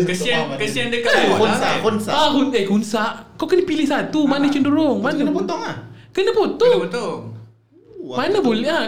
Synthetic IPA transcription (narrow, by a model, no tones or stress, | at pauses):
kəsiankəsiandəkaakusaʔkonssaaɦut̪̚əkunsaʔkawkənəpilɪhsat̪umanət͡ʃənduɾʊŋmannapɔt̪ɔŋakənəpɔt̪ʊo | manəbolɛa